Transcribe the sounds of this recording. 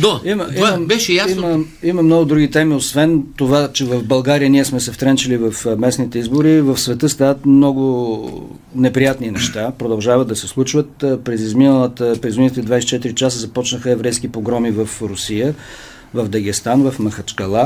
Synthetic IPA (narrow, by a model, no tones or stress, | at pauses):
d̪aiməiabɛʃɛjasiməiməmnɔɡʊd̪ɾuɡ̟it̪ɛmiosvɛnt̪ovat͡ʃɛvəvbɐlˠɡaɾijəniɛsmɛsɛft̪ɾɛnt͡ʃilivəfmɛsnit̪ɛizbʊɾivəfsvɛt̪əst̪avət̪mnɔɡʊ | nɛpɾijat̪ninɛʃt̪apɾod̪ɐlˠʒavəd̪̚d̪ɐsɛslˠut͡ʃvət̪pɾɛzizminəlˠət̪əpɾɛzizmint̪ːd̪vajsɛt͡ʃɛt̪iɾit͡ʃasəzɐpɔt͡ʃnəxəɛvɾɛjskipoɡɾɔmivəfɾʊsijə | vəvd̪ɐɡ̟ist̪anvɐfmɐxɐt͡ʃkɐlˠa